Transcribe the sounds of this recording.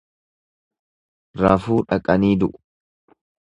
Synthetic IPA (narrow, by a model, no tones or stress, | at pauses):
ɾaːfuːᶑɐkʼɐniːd̪ʊʔʊ̥